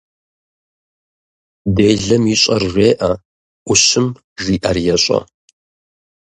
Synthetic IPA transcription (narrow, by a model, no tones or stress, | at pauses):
deːɮɐmiːɕʼɐrʒʷeːʔɐ | ʔʷʊɕɨm | ʒiːʔɐrjɛɕʼɐ̰